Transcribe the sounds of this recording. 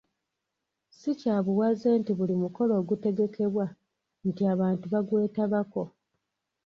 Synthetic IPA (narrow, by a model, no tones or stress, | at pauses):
sicaːβuwazeːntiβulimuko̞lo̞ːɡute̞ɡe̞kʰe̞βwa | ntiaβaːntuβaɡwe̞ːtaβako̞